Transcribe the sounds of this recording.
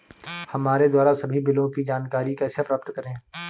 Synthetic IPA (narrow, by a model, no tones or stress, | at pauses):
hɐmaːɾed̪waːɾasɐbʱibɪlõkid͡ʒaːnkaːɾikɛːsepɾaːpt̪kɐɾẽː